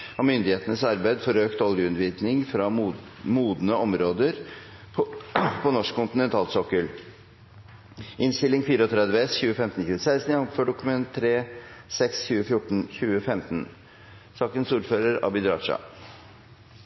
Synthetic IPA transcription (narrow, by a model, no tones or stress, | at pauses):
ɑmʏnd̪ɪheːt̪ənəsɑɾbæɪd̪fɔɾøːkt̪ɔljəʉnʋiːd̪nɪŋfɾɑ | muːd̪nəʔɔmɾoːd̪əɾʰ | pʰɔnɔʂkʰːʊnt̪ɪnɛnt̪ʰɑːlsɔkːəl | ʔɪnst̪ɪlːɪŋfiːɾəɔt̪ʰɾɛd̪ʋəɛsçʉːəfɛmt̪n̩çʉːəsæɪst̪njɑŋføːɖʊkʉmɛnt̪ʰɾeːsɛksçʉːəfjʊʈːɳ̩çʉːəfɛmt̪n | sɑːkənsuːɾføːɾəɾɑ̰bɪd̪ɾɑ̰ːʂɑ̰